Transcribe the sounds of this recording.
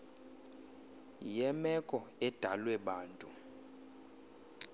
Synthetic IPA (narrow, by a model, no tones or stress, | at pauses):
jɛmɛkʼɔɛd̥ʱalwɛɓaːntʼu